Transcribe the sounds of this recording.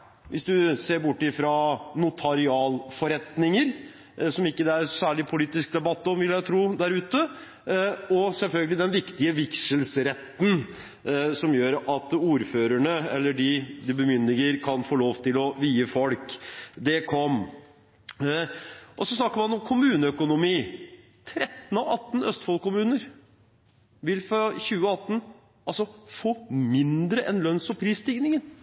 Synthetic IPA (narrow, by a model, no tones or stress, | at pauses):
ʋʔɪsd̪ʉseːɾbʊʈːɪfɾɑnʊt̪ʰɑɾɪɑːlfɔɾɛt̪nɪŋəɾ | sɔmɪkːəd̪ɛæɾsæːɭɪpʰʊliːt̪ɪsk̚d̪ɛbɑt̪ːɔmʋɪlːjæt̪ʰɾuːd̪æɾʉːt̪ə | ɔsɛlfœlɡəlɪd̪ɛnʋɪkt̪ɪəʋɪkʂəlsɾɛt̪ːn̩ | sɔmjøːɾɑt̪uːɾføːɾæɳəɛ̰lːəɖɪd̪ɪbəmʏnːɪɡəɾkʰɑnfoːloːʋt̪ʰɪlɔʋiːəfɔlkd̪ɛkʰɔm | ʔɔsɔsnɑkːəɾmɑnɔmkʰʊmʉːnəœkʊnʊmiː | t̪ʰɾɛt̪ːn̩ɑʋɑt̪ːn̩œst̪fɔlkʊmʉːnəɾ | ʋɪlfɾɑçʉːəɑt̪ːn̩ | ɑlsɔfoːmɪnd̪ɾəʔɛnlœnsɔpʰɾiːst̪ɪɡnɪŋən